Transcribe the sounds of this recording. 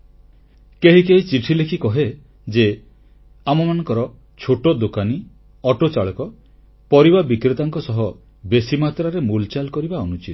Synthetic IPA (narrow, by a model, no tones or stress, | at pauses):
keɦikeɦit͡ʃiʈʰilekʰikɔɦe | d͡ʒe | amɔmanɔ̃ŋkɔɾɔ | t͡ʃʰoʈod̪okani | ɔʈot͡ʃaɭɔkɔ | pɔɾibabikɾet̪aŋkɔsɔɦɔ | besimat̪ɾaɾemult͡ʃalkɔɾibaɔnut͡ʃit̪